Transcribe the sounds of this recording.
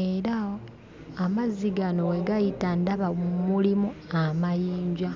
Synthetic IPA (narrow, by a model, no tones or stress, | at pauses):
eɾa | amaziɡano̞weɡajitandaβaumulimuamajiːɲɟa